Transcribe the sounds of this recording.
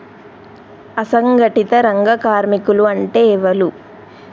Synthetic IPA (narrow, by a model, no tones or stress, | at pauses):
ɐsɐŋɡɐʈit̪ɐɾɐŋɡɐkaːɾmikuluɐɳʈeːɛʋɐlu